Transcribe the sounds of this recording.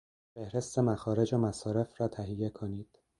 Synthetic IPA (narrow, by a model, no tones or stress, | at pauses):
fe̞hɾe̞st̪e̞mæxɒːɾe̞d͡ʒomæsɒːɾe̞frɒːt̪ʰæɦijːe̞kʰoniːd̪̥